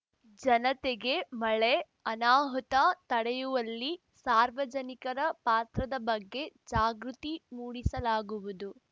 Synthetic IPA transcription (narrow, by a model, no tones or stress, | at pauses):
d͡ʒɐnɐt̪eɡe̞mɐɭe | ɐnaːɦɔt̪ɐt̪ɐɽejuʋɐlːi | saːɾʋɐd͡ʒɐnikɐɾɐpaːt̪ɾɐd̪ɐbɐɡːe̞d͡ʒaːɡɾut̪imuːɽisɐlaːɡuʋud̪u